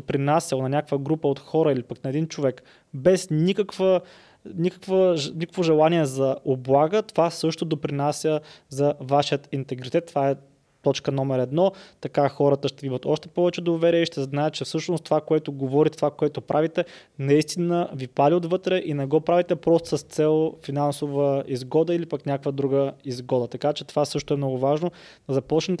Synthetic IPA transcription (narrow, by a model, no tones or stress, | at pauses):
d̪opɾinasʲjɐlˠonɐnʲakəkvəɡɾupəot̪xɔɾəilipəknɐɛd̪int͡ʃovɛk | bɛsnʲikəkvə | nʲikə̥kvənʲikə̥kvoʒɛlˠaniɛzɐʔoblˠaɡət̪ovasɤʃt̪od̪opɾinasʲjəzɐvaʃijət̪int̪ɛɡɾit̪ɛt̪ːovaɛ | t̪ɔt͡ʃkənɔmɛɾɛd̪nɔt̪ɐkaxɔɾət̪əʃt̪ɛvimət̪ɔʃt̪ɛ̥pɔvɛt͡ʃɛd̪ovɛɾiɛiʃt̪ɛznaɛt̪̚t͡ʃɛfsɤʃnost̪ovakoɛt̪oɡovɔɾit̪ɛt̪ovakoɛt̪opɾʔavit̪ɛ | nɐist̪inəvipaliod̪vɤt̪ɾɛʔinɛɡɔpɾavit̪ɛpɾɔst̪o̥səst̪sɛlˠfinansovəizɡɔd̪əilipɐknʲakvəd̪ɾuɡəizɡɔd̪ət̪ɐkat͡ʃɛt̪ovasɤʃt̪oɛmnɔɡʊvaʒno | ɐzɐpɔt͡ʃnɛt̪